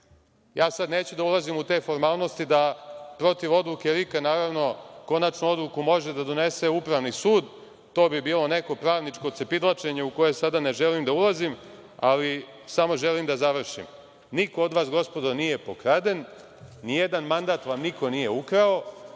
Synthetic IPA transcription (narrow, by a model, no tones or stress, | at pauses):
jaːsad̪ne̞ːt͡ɕud̪aulˠazimut̪e̞fo̞ɾmaːlˠno̞st̪id̪apɾo̞t̪iʋo̞d̪luke̞ɾikanaːɾaʋno̞ko̞nat͡ʃnuo̞d̪lˠukumo̞ʒe̞d̪ad̪o̞ne̞se̞upɾaʋnisuːd̪ | t̪o̞ːbibiːlˠo̞ne̞ko̞pɾaːʋnit͡ʃko̞t̪sepid̪lˠat͡ʃe̞ɲeuko̞jesad̪ane̞ʒelimd̪aulazim | ali | samo̞ʒelimd̪azaʋr̩ʃḭm | niko̞od̪ʋaːsɡo̞spo̞d̪onije̞po̞kɾad̪enː | ijed̪anmand̪aːt̪ʋamnikʰo̞nije̞ukɾao̞